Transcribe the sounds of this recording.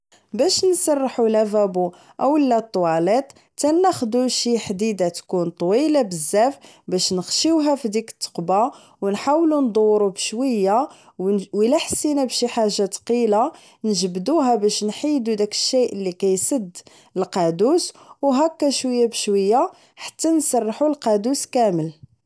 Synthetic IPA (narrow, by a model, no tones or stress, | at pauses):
bæʃnsˤɑrˤːħulævæbu | ʔæwəlːæt̪ˤːwɑlet̪ˤ | t̪ænːæxd̪uʃiħd̪id̪at̪kunt̪ˤwilabəzːæf | bæʃnəxʃiwɦæfid̪ikə̥t̪ːə̥qbɑ | wnħawlund̪ˤuwɾubəʃwəjːa | wilæħsːinæbʃiħaʒːat̪qila | nəʒəbd̪uɦæbæʃnħid̪ud̪ækə̥ʃːijʔəlːikæjsəd̪ː | əlqɑd̪uswɦækːæʃwəjːabəʃwəjːa | ħḁt̪ːænsˤɑrˤːħulqɑd̪uskæməl